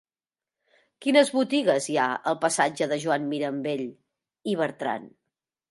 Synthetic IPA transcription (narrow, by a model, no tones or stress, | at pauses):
kinəzβut̪iɣəzjaəlˠpəsad͡ʒəðəʒwammiɾəmbeʎ | iβ̞əɾt̪ɾa̰n